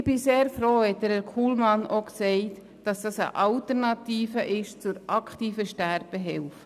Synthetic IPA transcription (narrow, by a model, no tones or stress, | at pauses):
b̥ɪseːɾfɾoːhɛtdəɾəɾkʰuːlmɑnʔoksɛɪt | d̥ɑsd̥ɑsə̰ʔɑltəɾnɑtiːfəʔɪʃt͡sʊɾɑkχtiːfəʃtæɾb̥əɦɪlf